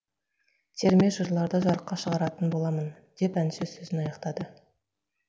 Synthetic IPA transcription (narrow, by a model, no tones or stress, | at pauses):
t̪ʰeɾmeʒəʒlˠɑɾd̪əʒɑɾəqːɑʃəʁɑɾɑt̪ənbo̞lˠɑmən | d̪̥e̞pænʃezɵzɪnɑjɑqt̪ɑd̪ə